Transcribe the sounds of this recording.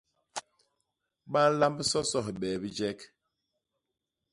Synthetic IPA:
ɓa˦n˦la˦mbsɔ˦sɔ˦˨hɓɛ˨bi˦d͡ʒɛ˦k

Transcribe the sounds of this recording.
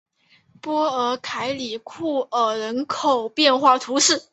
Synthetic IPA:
pwɔ˥ə˧˥kʰa˧˥ɪli˨˩kʰu˥˩ə˨˩ɻə˧˥nkʰo˨˩ʊpjɛ˥˧nxwa˥˩t̪ʰu˧˥ʂɻ̩˥˩

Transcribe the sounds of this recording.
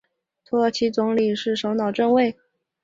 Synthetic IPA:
t̪ʰɔ˥˩t͡ɕʰi˧˥t͡sʊ˧˥ŋli˨˩ʂɻ̩˥˩ʂo˧˥ʊnɑ˨˩ʊʈ͡ʂə˥˧ŋwe˥˩ɪ

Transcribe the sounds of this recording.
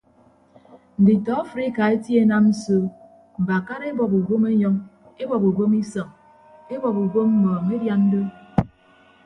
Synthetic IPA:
n̩˨di˨tɔ˨˦a˦fɾi˦ka˨e˦tje˦na˦mn̩˦so˦˨ | m̩˨ba˨ka˦ɾe˦bɔ˨pu˨ɡo˦me˦ɲɔ˦ŋ | e˦bɔ˨pu˨ɡo˦mi˦sɔ˨ŋ | e˦bɔ˨pu˨ɡo˦m̩˦mɔː˨ŋe˦dja˨˦n̩˦do˦

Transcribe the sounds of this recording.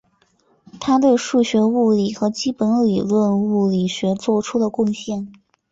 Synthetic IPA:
t̪ʰa˥t̪̬we˥˧ɪʂu˥˩ɕɥɛ˧˥u˥˩li˨˩xɤ˧˥t͡ɕi˥pə˧˥nli˨˩lwə˥˧nu˥˩li˨˩ɕɥɛ˧˥t͡swɔ˥˧ʈ͡ʂʰu˥d̪ə˨kʊ˥˧ŋɕjɛ˥˩n

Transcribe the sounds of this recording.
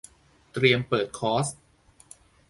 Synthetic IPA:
t̪ɾi˧əmpɤː˨˩t̪̚kʰɔː˦˥s

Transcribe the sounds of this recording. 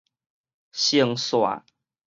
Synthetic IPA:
ɕjə˥˧˦ŋswa̰˨˩

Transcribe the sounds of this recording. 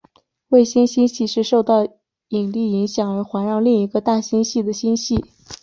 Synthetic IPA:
we˥˩ɪɕi˥nɕi˥nɕi˥˧ʂɻ̩˥˧ʂo˥˧ʊt̪ɑ˥˩ʊ | i˨˩ŋli˥˩i˧˥ŋɕjɑ˨˩˦ŋə˞˧˥xwa˧˥nɻɑ˥˧ŋli˥˩ŋi˧˥ɡə˧t̪a˥˩ɕi˥nɕi˥˩d̪ə˩ɕi˥nɕi˥˩

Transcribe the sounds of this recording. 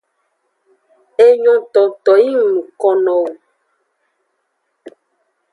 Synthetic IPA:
e˦ɲɔ̃˨t̪ɔ˨t̪ɔ˨ji˦ŋ˨nũ˨kɔ˨nɔ̃˨wo˨

